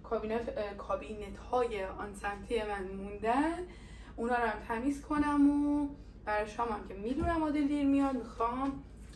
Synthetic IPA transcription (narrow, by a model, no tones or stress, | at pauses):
kʰɒːbiːnekʰɒbinet̪ʰhɒːjeɒnsæmt̪ʰijemænmund̪æn | unɒːɾæmt̪ʰæmiːskʰo̞næmo | b̥æɾɒʃɒːmæmcʰemid̪unæmɒːd̪eld̪iɾmijɒd̪mixɒm